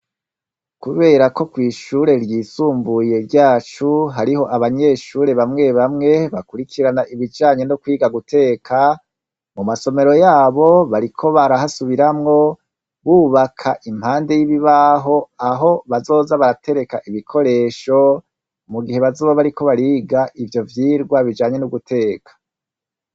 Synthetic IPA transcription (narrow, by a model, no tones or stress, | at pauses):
kuβe̞ːɾako̞kwiːʃuːɾe̞ɾjiːsuːmbuje̞ɾɟaːt͡ʃuɦaɾiho̞ʔaβaɲe̞ʃuːɾe̞βamŋe̞βamŋe̞βakuɾikʰiɾanaʔiβid͡ʒaːɲe̞nokwiːɡaɡutʰe̞ːkʰa | mumaso̞me̞ɾo̞jaːβo̞βaɾikʰo̞βaɾahasuβiɾamŋo̞ | βuːβakʰaʔim̥haːnde̞jiβiβaɦo̞aɦo̞βazo̞ːzaβaɾatʰe̞ɾe̞kaʔiβikʰo̞ɾe̞ːʃo̞ | muɡihe̞βazoːβaβaɾiko̞βaɾiːɡaʔivjo̞vjiːɾɡwaβid͡ʒaːɲe̞nuɡutʰe̞ːkʰḁ